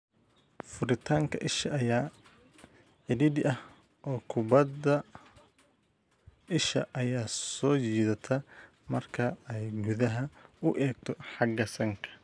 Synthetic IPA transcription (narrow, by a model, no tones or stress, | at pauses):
fʊɾɪt̪ʰaːŋkʰɐ̰ʔɪʃɐʔːjaː | ʕɪðɪdɪʔɐh | ʔɔːkʰʊbɐd̪ɐ | ɪʃɐʔɐjaːsɔːt͡ʃiːðɐt̪ʰɐ | mɐrkʰɐɛjɡʊðɐɦɐʊʔɛːɡ̚t̪ʰɔħɑɡɐsɐŋkʰɐ̥